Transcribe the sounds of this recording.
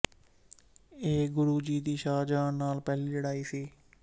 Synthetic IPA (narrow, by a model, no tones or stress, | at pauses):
eːɡʊɾuːd͡ʒiːd̪iːʃaːd͡ʒaːnnaːlpɛːliːləɽaːiːsiː